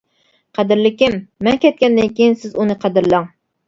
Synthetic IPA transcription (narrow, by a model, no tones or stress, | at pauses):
qʰæd̪ɪɾlɪkʲɪmːɛnkʲɛt̪̚kʲɛnd̪ɪnkʲʰejinsɪzunɨqʰæd̪ɨɾlɑŋ